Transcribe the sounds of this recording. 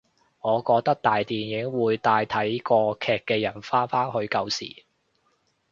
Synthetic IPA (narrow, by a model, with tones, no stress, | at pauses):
ŋɔː˨˧kɔː˧k̚t̪ɐ˥k̚t̪aː˨jt̪iː˨njɪ˨˥ŋwuː˨˧jt̪aː˧jt̪ʰɐ˨˥jkɔː˧kʰɛː˧kːɛː˧jɐ˨˩nfaː˥faː˥nhɵ˧ɥkɐ˧wsḭː˨˩